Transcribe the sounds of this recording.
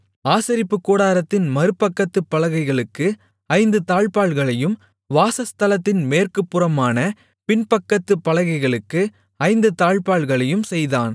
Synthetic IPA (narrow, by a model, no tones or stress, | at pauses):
aːsɐɾɪpːɯkːuːɽaːɾɐt̪ːɪnmɐɾɯpːɐkːɐt̪ːɯpːɐlɐɣɐɪɣɐɭɯkːɯ | ɐɪnd̪ɯt̪aːɭpaːɭɣɐɭɐjɯm | ʋaːsɐst̪ɐlɐt̪ːɪnmeːrkɯpːɯrɐmaːnɐ | pɪnpɐkːɐt̪ːɯpːɐlɐɣɐɪɣɐɭɯkːɯ | ɐɪnd̪ɯt̪aːɭpaːɭɣɐɭɐjɯmsɛjðaːn